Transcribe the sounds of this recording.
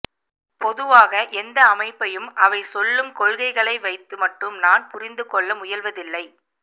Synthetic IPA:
pɔðɯʋaːɣɐʔɛnd̪ɐːmɐɪpːɐjɯmʔɐʋɐɪsɔlːɯmkɔɭɣɐɪɣɐɭɐɪʋɐɪt̪ːɯmɐʈːɯmnaːnpʊɾɪnd̪ɯkɔɭːɐmʊjɐlʋɐðɪlːɐɪ

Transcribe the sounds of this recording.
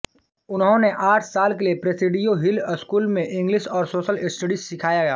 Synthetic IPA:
ʊnɦõneʔaːʈʰsaːlkeliepɾɐsɪɖijoɦɪləskuːlmẽʔɪ̃ŋɡlɪʃɔːɾsoːʃəlɪsʈeɖisɪkʰaːjaɡaː

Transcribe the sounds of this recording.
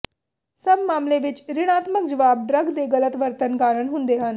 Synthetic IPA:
səbmaːmlẽʋɪt͡ʃɾɪɽ̃aːt̪mək̚d͡ʒɐʋaːb̚ɖɾəɡd̪eɡələt̪ʋəɾt̪ənkaːɾəɳɦũnd̪eɦaːn

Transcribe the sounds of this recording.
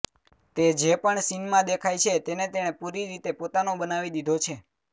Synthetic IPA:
t̪ed͡ʒepəɳsinmãd̪ekʰajt͡ʃʰet̪enet̪eɽ̃epuɾiɾit̪epot̪anobənaʋid̪id̪ʱot͡ʃʰe

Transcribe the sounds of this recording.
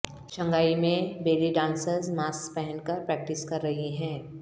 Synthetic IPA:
ʃɐ̃ŋɡaːimẽbeːliɖãːnsəɾzmaːspɛɦɛnkɐɾpɾɛːk̚ʈɪskɐɾːɐɦiɦɛ̃ː

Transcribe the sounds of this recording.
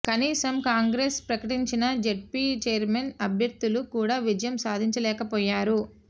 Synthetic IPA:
kɐniːsɐmkaːŋɡɾespɾɐkɐʈiɲt͡ʃinɐd͡ʒeʈ̚pit͡ʃeːɐɾmenɐbʱjɐɾd̪ːulukuːɽaːʋid͡ʒɐjɐmsaːd̪ʱiɲt͡ʃɐlɛːkɐpɔːjaːɾu

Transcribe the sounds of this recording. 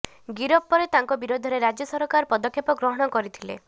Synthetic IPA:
ɡiɾɔpːɔɾet̪aŋkɔbiɾod̪ʱɔɾeɾad͡ʒjɔsɔɾɔkaɾpɔd̪ɔkʰːjepɔɡɾɔɦɔɽ̃ɔkɔɾit̪ʰilḛ

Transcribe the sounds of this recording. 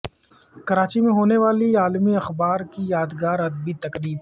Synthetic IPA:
kɐɾaːt͡ʃimẽɦoːneʋaːliaːlmiɐxbaːɾkijaːd̪ɡaːɾɐd̪̚bit̪ɐkɾiːf

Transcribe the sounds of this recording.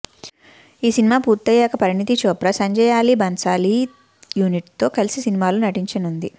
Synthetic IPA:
iːsinimaːpuːɾt̪ːɐjaːkɐpɐɾinit̪it͡ʃoːpɾɐsɐɲd͡ʒɐjaːlibɐnt͡ʃaːli | juːniʈt̪o̞ːkɐlisisinimaːlunɐʈiɲt͡ʃɐnund̪i

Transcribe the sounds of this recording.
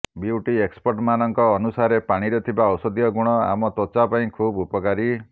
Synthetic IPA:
biwʈiekspɔɾʈmanɔŋkɔːnusaɾepaɽ̃iɾet̪ʰibaɔwsɔd̪ijɔɡuɽ̃ɔa̰mɔt̪ot͡ʃapaĩkʰubupɔkaɾi

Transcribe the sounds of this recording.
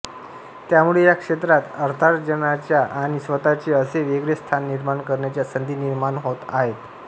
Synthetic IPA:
t̪jamuɭejakʂet̪ɾat̪əɾt̪ʰaɾd͡ʑənat͡ɕjaʔaɽ̃isʋət̪at͡ɕeəseʋeɡɭest̪ʰanːiɾmaɳkəɾɳjat͡ɕjasənd̪ʱiːniɾmaɳɦot̪a̰ɦet̪

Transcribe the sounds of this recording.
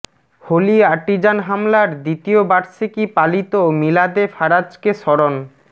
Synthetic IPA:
holiaʈːid͡ʑanɦamlaɾd̪it̪iobaɾsikipalit̪omilad̪efaɾad͡ʑkeʃɔɾon

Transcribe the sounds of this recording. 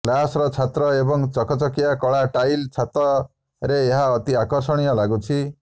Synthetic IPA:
klasɾɔt͡ʃʰat̪ɾɔebɔŋt͡ʃɔkʰɔt͡ʃɔkijakɔɭaʈajlt͡ʃʰat̪ɾɔ | ɾeːɦaɔt̪iakɔɾsɔɽ̃ijɔlaɡut͡ʃʰi

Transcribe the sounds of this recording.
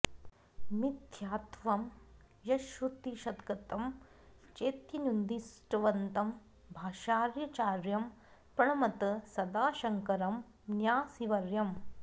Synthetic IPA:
mid̪ʱjaːt̪ʋɐm | jɐʃut̪iʃɐd̪ɡɐt̪ɐm | t͡ʃeːt̪jɐnund̪isʈɐʋɐnt̪ɐm | bʱaːʃaːɾjɐt͡ʃaːɾjɐm | pɾɐɳɐmɐt̪ɐsɐd̪aːʃɐŋkɐɾɐm | njaːsiʋɐɾjɐm

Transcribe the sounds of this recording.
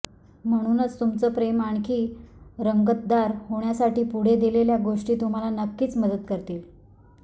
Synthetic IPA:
m̤əɽ̃uːnət͡st̪umt͡səːpɾemaɳkʰiːɾəŋɡət̪̚d̪aɾhoɳjasaʈiːpuɽ̤ed̪ileljaɡoʂʈiːt̪um̤alanəkːiːt͡sməd̪ət̪kəɾt̪iːl

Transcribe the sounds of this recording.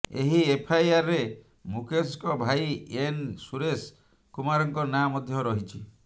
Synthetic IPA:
eɦiepʰajaɾːe | mukʰes̬kɔbʱaiensuɾes | kumaɾɔŋkɔnamɔd̪ʱjɔɾɔɦit͡ʃʰi

